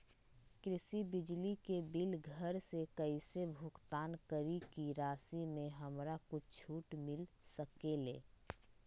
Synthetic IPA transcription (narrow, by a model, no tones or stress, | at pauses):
kɾɪsibɪd͡ʒlikebɪlɡʱəɾsekəɪsebʱʊkt̪aːnkəɾikiɾaːsimẽɦəmɾakʊt͡ʃʰuːʈmɪl | səkelḛː